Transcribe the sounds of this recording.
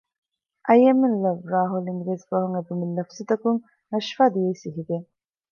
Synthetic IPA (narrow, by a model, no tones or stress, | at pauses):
ʔɐjɐmːenlɐʋɾaːɦuliŋɡɾeːsbɐɦuŋeb̪umilːɐfsut̪ɐkuŋ | nɐʃfaːd̪ijɐisiɦiɡ̪e